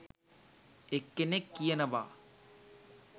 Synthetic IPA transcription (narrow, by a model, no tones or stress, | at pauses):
ekːenekːijɐnɐʋa̰ː